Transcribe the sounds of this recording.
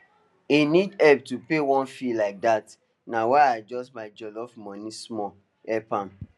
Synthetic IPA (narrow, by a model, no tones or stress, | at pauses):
inidɛb̚tupewɔ̃nfilaɪk̚dat | nawaad͡ʒɔsmaɪd͡ʒɔlɔfmɔ̃nismɔ | ɛpãm